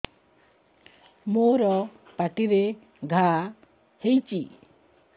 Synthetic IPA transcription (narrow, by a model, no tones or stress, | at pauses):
moɾɔ | paʈiɾe | ɡʱa | hejt͡ʃḭ